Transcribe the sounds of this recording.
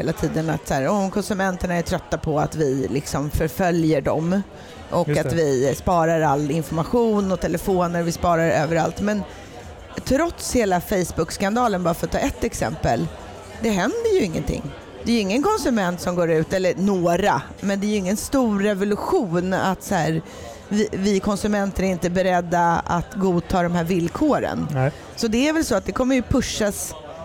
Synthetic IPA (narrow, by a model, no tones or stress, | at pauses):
eːlat̪ʰiːd̪əna̰t̪sæːɾɔkʰɔnsɵmɛnt̪əɳaæʈʰɾœt̪ːapʰɔat̪vɪlɪksɔmfœɾfœljəɖɔ̰m | ʔɔkːat̪vɪspɑːɾaɾalːɪnfɔɾmaɧuːnɔt̪ʰɛlɛfoːnəɾvɪspɑːɾaɾøːvəɾa̰lt̪mɛn | t̪ʰɾɔt̪sheːlafɛjsbɵkskand̪ɑːlənbɑːɾafœɾat̪ʰːɑːʔɛt̪ːɛksɛ̰mpəl | d̪ɛɦɛnd̪əjɵɪŋːə̰nt̪ʰɪ̰ŋː | d̪̥ɛːjɵɪŋːənkʰɔnsɵmɛnt̪sɔmɡoːɾʉ̟ːt̪ɛlːəɾnoːɾa | mɛnd̪ɛːjʏɵɪŋːənst̪uːɾːɛvʊlɵɧuːna̰t̪sahæːɾ | vɪvɪkʰɔnsɵmɛnt̪əæɾɪnt̪əbɛɾɛd̪ːaa̰t̪ɡuːt̪ʰɑːd̪ɔmhæːɾvɪlkʰoːɾə̰n | sɔd̪ɛæɾvɛlsɔat̪̚d̪ɛkʰɔmːəɾjɵpʰɵʂːas